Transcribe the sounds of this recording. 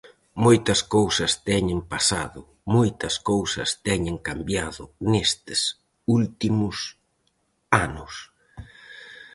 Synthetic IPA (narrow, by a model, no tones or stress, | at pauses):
mojt̪ɐskowsɐst̪ɛɲɪmpasaðʊ | mojt̪ɐskowsɐ̰st̪ɛɲɪŋkambjaðʊnest̪ɪs | ult̪imʊs | anʊs